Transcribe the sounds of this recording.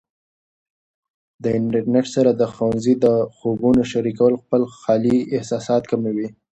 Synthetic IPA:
d̪əɪɳʈəɾneʈsaɾad̪əxowanzid̪əxobunoʃaɾikawəlxpəlxɑliɪhsɑsɑt̪kamewi

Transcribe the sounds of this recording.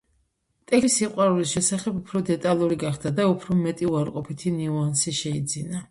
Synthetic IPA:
t̪ʼɛkisiqʼwaɾulisʃɛsaχɛbupʰɾɔd̪ɛt̪ʼalˠuɾiɡaχd̪ad̪aupʰɾɔmɛt̪ʼiuaɾqʼɔpʰit̪ʰiniuansiʃɛid̪zina

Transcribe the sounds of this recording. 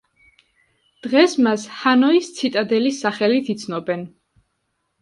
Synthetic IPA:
d̪̥ʁɛsmashanɔist̪sʰit̪ʼad̪ɛlisaχɛlit̪ʰit̪sʰnɔbɛn

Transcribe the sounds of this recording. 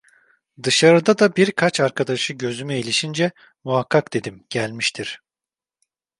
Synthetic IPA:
d̪ɯʃaɾɯd̪ad̪abiɾkʰat͡ʃaɾkʰad̪aʃɯɟø̞zymyilʲiʃind͡ʒɛ | muɦakʰːakd̪̥e̞d̪imɟ̥ælʲmiʃt̪ʰiɾ̥

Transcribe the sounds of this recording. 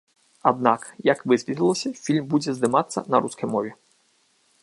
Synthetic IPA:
ad̪̚nakjɐkʋɪzvʲit̪ʲilˠɔsʲɐfʲilʲmbud͡zʲɛzd̪ɪmat̪sːɐ̰nɐɾuskɐjmɔvʲi

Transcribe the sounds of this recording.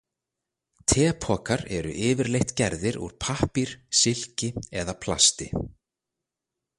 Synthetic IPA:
t̪ʰɛːpʰɔːkaɾɛ̰ɾʏ̰ʔɪːvɪɾlejht̪cɛɾðɪɾṵɾ̥pʰahpiɾ̥sɪl̥cɪɛðapʰla̰st̪ɪ

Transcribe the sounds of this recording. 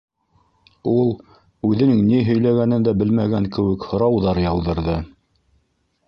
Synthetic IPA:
ulˠ | ʉðɘ̆nɘŋniɦɵ̆jlæɡænɘnd̪æbɘlmæɡæŋkɘ̆wɘkhŏɾɑwðɑɾjɑw̪ˠðɤ̆ɾðɤ

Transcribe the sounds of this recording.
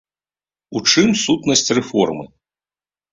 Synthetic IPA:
ut͡ʂɨmsut̪nɐsʲt͡sʲrɛfɔrmɨ̰

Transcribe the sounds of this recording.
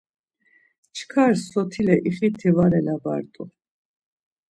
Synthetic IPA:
t͡ʃʰkʰaɾsɔt̪ʰilɛʔiχit̪ʰːivaɾɛlaba̰ɾt̪ʼu

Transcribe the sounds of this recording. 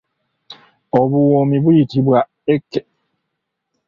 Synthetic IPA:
oβuwomiβujitiβwa | ekːe

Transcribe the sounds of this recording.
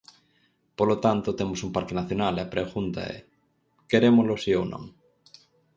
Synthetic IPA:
polot̪ant̪ot̪emosumpaɾkenaθjonalɐpɾeɣunt̪a̰ɛ̰ | keɾemolosiownõ̰ŋ

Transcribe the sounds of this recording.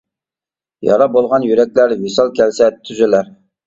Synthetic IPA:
jɑ̰ɾɑbolˠʁɑnjyɾɛkʲlæɾvisɑlˠkʲʰɛlsɛt̪ʰyzɪlæɾ

